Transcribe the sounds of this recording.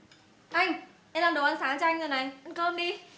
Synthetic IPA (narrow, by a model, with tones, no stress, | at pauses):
ʔa˧jŋ̟ | ʔɛ˧mlaː˨˩mɗə˨˩wʔa˧nsaː˨˦ŋt͡ɕɔ˧jŋ̟ŋɨ˨˩jna˨˩jʔə˧˦nkəː˧nɗi˧